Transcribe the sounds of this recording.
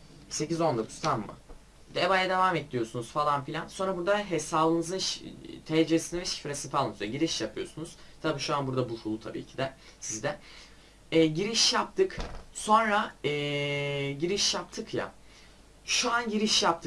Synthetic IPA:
se̞cizo̞nd̪o̞kʰu̥zt̪ʰamːɯ̰ | d̪evajad̪e̞vaːmet̪̚lʲijo̞sunuz̥falˠanfilʲanso̞nɾabuɾd̪aɦesaːlˠɯnɯzɯnʃt̪ʰɛːd͡ʒivesind̪ɛvɛʃi̥fɾesifalˠmzjaɟiɾiʃjapʰɯjo̞sunuz̥t̪ʰabiːʃuanbuɾd̪abufulˠut̪ʰabḭːcʰid̪ɛ | sizd̪ɛ | ɛːɟiɾiʃjap̚t̪ʰɯkso̞nɾaɛːɟiɾiʃjap̚t̪ʰɯkja̰ | ʃuanɟiɾiʃjap̚t̪ʰɯ

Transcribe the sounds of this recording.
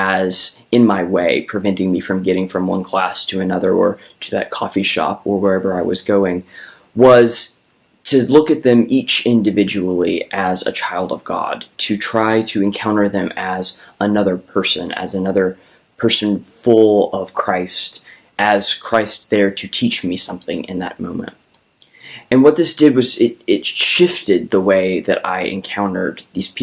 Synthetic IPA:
ɨzɨ̃nmaɪweɪpʰɹ̥ɨvɛ̃ntɪ̃ŋmifɹʌ̃mɡɛɾɪ̃ŋfɹʌ̃mwʌ̰̃nkʰl̥æstʰɨːnʌðə˞ə̰˞ | ɾɨðɨ̰t̚kʰɔfiʃɑ̰pə˞wə˞ɛvə˞aɪwʌ̰zɡoʊɪ̃ŋ | wʌz̥ | tʰɨlʊkɨt̪̚ðɨ̃mit͡ʃɪ̃ndɨvɪd͡ʒɨl̩ˠiʔɨzɨ̰t͡ʃʰaɪlˠdʌvɡɑ̰d̥̚tʰɨtʰɹ̥aɪɾɨɨ̃nkʰãʊ̃ñə˞ðɨ̃mɨz | ənʌðə˞pʰɜ˞sɨ̃nɨ̰zɨnʌðə˞ | pʰɜ˞sɨ̃nfʊlˠʌv̥kʰɹ̥aɪst | ʔɨz̥kʰɹ̥aɪst̪̚ðə˞ɾɨtʰit͡ʃmisʌ̃mθɪ̰̃ŋʔɨ̰̃nðɨ̰t̚mõ̰ʊ̃mɨ̰̃nt̚ | ɨ̃nwʌt̪̚ðɪsd̥ɨd̚wʌzɪɾɪtʃɪftɨd̪̚ðəweɪðɨɾa̰ɪʔɨ̰̃nkʰãʊ̃nə̰˞d̪̚ðiz̥pʰi

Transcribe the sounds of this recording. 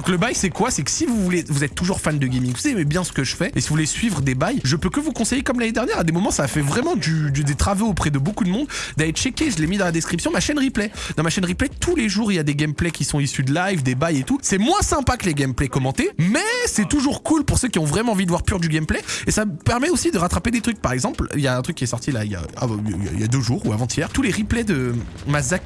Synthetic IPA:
d̪ɔ̃kləbajsɛkwasɛkə̥sivuvulevuzɛt̪ːuʒuʁfand̪əɡʲɛmiŋɡvusemɛbjɛ̃sə̥kəʒəfɛesivuvulesɥivʁəd̪ebajʒəpøkəvukɔ̃sejekɔmlaned̪ɛʁnjɛʁad̪emɔmɑ̃saːfɛvʁɛmɑ̃d̪yd̪d̪et̪χavoopχɛd̪əbokud̪əmɔ̃d̪d̪aɛt̪ʃɛkʲeʒəlemid̪ɑ̃lad̪eskχipsjɔ̃maʃɛnʁiplɛd̪ɑ̃maʃɛnʁiplɛt̪ʰuleʒuʁiljad̪eɡɛmplɛkʲisɔ̃isyd̪əlajvd̪ebajet̪usɛmwɛ̃sɛ̃pakəleɡʲɛmplɛkɔmɑ̃t̪emɛsɛt̪uʒuʁkulpuʁsøkʲiɔ̃vʁɛmɑ̃ɑ̃vid̪əvwaʁpyʁd̪yɡʲɛmplɛesapɛʁmɛosid̪əʁat̪χaped̪et̪χyk̚paʁɛɡzɑ̃pliljaɛ̃t̪χykʲːiɛsɔʁt̪ila̰ilja̰a̰a̰ḭlja̰d̪øʒuːʁuavɑ̃t̪ʰjɛːʁt̪uleʁiplɛd̪əmazak

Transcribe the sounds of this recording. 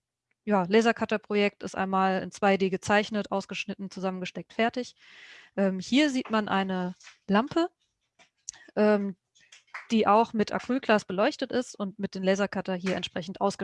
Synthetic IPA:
jaːlɛːzɐkʰatɐpʁ̥ojɛk̚tɪ̰stʔa̰ɪnmaːlɪ̰nt͡sv̥aɪdeːɡət͡saɪçnətʔaʊsɡ̥əʃnɪtn̩t͡suzamənɡəʃtɛk̚tfɛɐtɪç | ʔɛːmhiːɐziːtmanʔaɪnəlampʰə | ʔɛːm | d̥iːʔaʊxmɪtʔa̰kʁ̥yːlɡlaːsb̥əlɔʏçtətɪstʊntmɪt̚d̥eːnlɛːzɐkʰatɐɦiːɐɛntʃpʁ̥ɛçn̩tʔaʊsɡ̥ə

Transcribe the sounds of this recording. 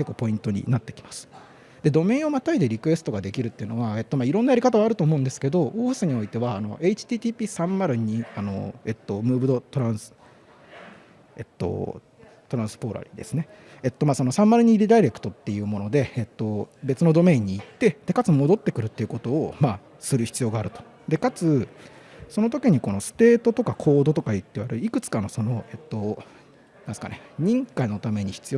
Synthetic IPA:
ke̞kːoːpo̞ĩnt̪o̞ɲ̟ḭnat̪ːe̞kʲi̥masɨ̥ | d̪e̞d̪o̞mẽ̞ːo̞mat̪aid̪eɾʲikɯ̟βe̞sɨ̥t̪o̞ɡad̪e̞kʲiɾɯ̟t̪ːeɯ̟no̞βae̞t̪ːo̞maːiɾõ̞nːajaɾʲikat̪aβaːɾɯ̟t̪o̞ːmo̞ɯ̟̃nd̪e̞sɨ̥ke̞d̪o̞ʔoːɯsɨɲ̟io̞it̪e̞βaːno̞̰ʔe̞it͡ɕi̥t̪ʲiːt̪iːpʲiːsãmːaɾɯ̟ɲ̟iano̞̰et̪ːo̞mɯ̟ːbɯ̟d̪o̞t̪o̞ɾãɰ̃sɨ̥ | et̪ːo̞̰ | t̪o̞ɾãɰ̃sɨ̥po̞ɾa̰ɾʲḭd̪e̞̰sɨne | et̪ːo̞maːso̞no̞sãmːaɾɯ̟ɲ̟iːɾʲid̪aiɾe̞kɯ̟̥t̪o̞t̪ːe̞jɯ̟ːmo̞no̞d̪e̞ːt̪ːo̞be̞t͡sɨno̞d̪o̞me̞ːɲ̟ːiːt̪ːe̞d̪̥e̞kat͡sɨmo̞d̪o̞t̪ːe̞kɯ̟ɾɯ̟t̪ːeiɯ̟kot̪o̞ːmaː | sɨɾɯ̟çi̥t͡sɨjo̞ːɡaːɾɯ̟t̪o̞̥ | d̪e̞kat͡sɨ | so̞no̞t̪̬o̞kʲiɲ̟iko̞no̞sɨ̥t̪e̞ːt̪o̞t̪o̞kakʰo̞ːd̪ot̪o̞kait̪ːeiβaɾɯ̟ikɯ̟t͡sɨ̥kano̞so̞no̞e̞t̪ːo̞ | nãnd̪eska̰neɲ̟ĩŋkaino̞t̪ame̞ɲ̟içi̥t͡sɨjo

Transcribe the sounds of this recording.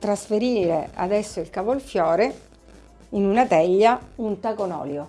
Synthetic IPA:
t̪ɾasfeɾiːɾea̰d̪ɛsːoilkavolfjɔːɾe | inunat̪ɛʎːaunt̪akonɔ̰ːljo

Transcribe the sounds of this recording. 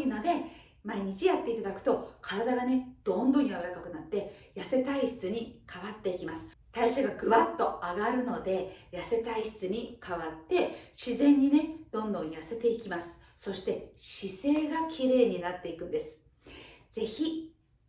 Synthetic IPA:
inod̪e̞ | maiɲ̟it͡ɕijat̪ːe̞it̪ad̪akɯ̟̥t̪o̞kʰaɾad̪aɡane̞d̪̥õ̞nd̪õɲiaβɯɾakakɯ̟nat̪ːe̞jase̞t̪aiɕi̥t͡sɨɲ̟ikaβat̪ːe̞ikʲimasɨ̥ | t̪aiɕaɡaɡɯ̟βat̪ːo̞aɡaɾɯ̟no̞d̪e̞jase̞t̪aiɕi̥t͡sɨɲ̟ikʰaβat̪ːe̞ɕizẽ̞ɲ̟ːine̞d̪̥õ̞nd̪õ̞ɰ̃jase̞t̪e̞ikʲimasɨ̥ | so̞ɕi̥t̪e̞ɕise̞ːɡakʲʰiɾe̞ːɲ̟inat̪ːe̞ikɯ̟̃nd̪e̞sɨ̥ | d͡z̥e̞çi

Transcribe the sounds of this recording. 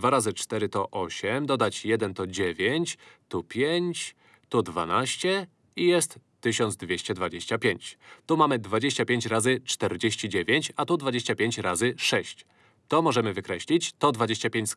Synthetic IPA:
d̪vaɾazɘt͡ʂt̪ɛɾɘt̪ɔʔɔɕɛmd̪ɔd̪at͡ɕjɛd̪ɛnt̪ɔd͡ʑevʲjeɲt͡ɕt̪upʲjeɲt͡ɕ | t̪ɔd̪va̰naɕt͡ɕɛ | ijɛst̪ːɘɕɔnzd̪vʲjeɕt͡ɕɛd̪vad͡ʑeɕt͡ɕapʲjeɲt͡ɕt̪umamɘd̪vad͡ʑeɕt͡ɕapʲjeɲt͡ɕɾazɘt͡ʂt̪ɛɾd͡ʑeɕt͡ɕid͡ʑevʲjeɲt͡ɕat̪ud̪vad͡ʑeɕt͡ɕapʲjeɲt͡ɕɾazɘʂɛɕt͡ɕ | t̪ɔmɔʐɛmɘvɘkɾɛɕlʲit͡ɕt̪ɔd̪vad͡ʑeɕt͡ɕapʲjeɲt͡ɕʲs

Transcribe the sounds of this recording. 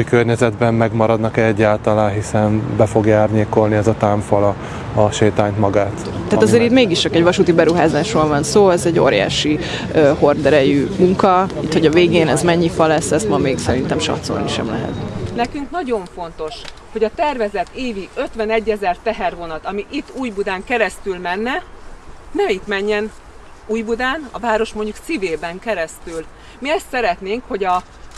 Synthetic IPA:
ujkørɲɛzɛd̪bɛmːɛɡmɒɾɒd̪nɒkɛɛɟːaːlt̪ɒlaːnɦisɛnbɛfo̞ɡjaːrɲeːko̞lniɛzɒt̪aːɱfɒlɒː | ʃeːt̪aːɲt̪mɒɡaːt̪ | ɛːt̪zeːɾiːt̪meːɡiʃt͡ʃɒkɛɟvɒʃut̪ibɛɾuɦaːzaːʃroːlvɒnsoːɛzɛɟːo̰ːɾja̰ːʃi | øho̞rd̪ɛɾɛjymuŋkɒit̪ho̞ɟɒveːɡeːnɛzmɛɲːifɒlɛsːɛst̪mɒmeːksɛɾint̪ɛmʃɒ̰t̪so̰ːniʃɛ̰mlɛ̰ɦɛ̰t̪nɛkyŋknɒɟo̞ɱfo̞n̪t̪o̞ʃ | ho̞ɟɒt̪ɛrvɛzɛt̪eːviø̞t̪ʋɛnɛɟːɛzɛrt̪ɛɦɛrvo̞nɒt̪ɒmiʔit̪ːuːjbud̪aːŋkɛɾɛst̪ylmɛnːɛ | nɛmit̪mɛɲːɛn | uːjbud̪aːnɒ̰vaːɾo̞ʃmo̞ɲɟuksiveːbɛŋkɛɾɛst̪yl | miɛst̪sɛɾɛt̪neːŋkho̞ɟɒ

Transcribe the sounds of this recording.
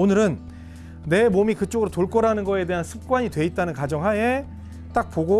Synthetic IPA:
onɯɾɯnː | e̞momikɯt͡ɕ͈oɡɯɾotoɭk͈ʌɾanɯnɡʌe̞de̞ɦansʰɯp̚k͈waɲidwe̞it̚t͈anɯnkad͡ʑʌŋɦaje | t͈ak̚poɡo

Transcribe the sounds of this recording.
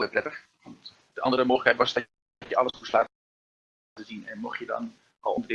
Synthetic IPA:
ɪprɛtəx | ʋɔnt | d̥əʔɑ̰ndərəmoːɣləkhɛtʋɔsda | tjəʔɑləsuslaː | təzinɛ̰nmɔxtjədɔ̰n | ɔ̰lˠondərdɪ

